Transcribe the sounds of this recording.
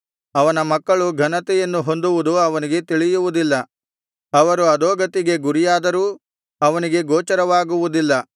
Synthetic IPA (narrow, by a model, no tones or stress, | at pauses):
ɐʋɐnɐmɐkːɐɭuɡʱɐnɐt̪ɛjɐnːuɦo̞nd̪uʋud̪uɐʋɐniɡe̞t̪iɭijuʋud̪ilːɐ | ɐʋɐɾuɐd̪ɔːɡɐt̪iɡe̞ɡuɾijaːd̪ɐɾuː | ɐʋɐniɡe̞ɡɔːt͡ʃɐɾɐʋaːɡuʋud̪ilːɐ